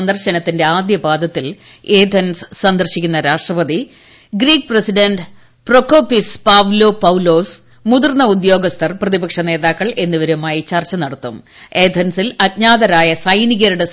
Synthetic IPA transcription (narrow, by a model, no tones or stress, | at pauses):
nd̪ɐrɕɐnɐt̪ːinde̞aːd̪jɐbaːd̪ɐt̪ːil | eːd̪ʱɐnssɐnd̪ɐrɕikʲːunːɐɾaːʂʈrɐbɐði | ɡriːk̚presiɖenɖ | prokːoːpispaːʋlopɐwlo̞ːs | muðurnːɐud̪jo̞ːɡɐst̪ʰɐrprɐðibɐkʂɐne̞ːðaːkːɐɭe̞nːuʋɐɾumaːjit͡ɕɐrt͡ɕːɐnɐɽɐt̪ːumeːd̪ʰʱɐnsilɐt̚ɲaːðɐɾaːjɐsɐjniɣɐɾuɽe